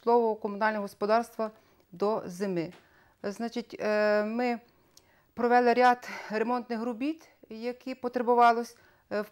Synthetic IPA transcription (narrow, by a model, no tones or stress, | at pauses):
lˠɔʋʊkɔmʊnɑlʲnɔɔɦɔspɔd̪ɑrst̪ʋɐ | d̪ɔzemɪ | znɑt͡ʃitʲmɪ | pɾɔʋɛlˠɪɾʲɑd̪remɔnt̪nɪxɾʊbʲit̪ | jɐkʰipɔt̪ɾebʊʋɑlˠɔsʲ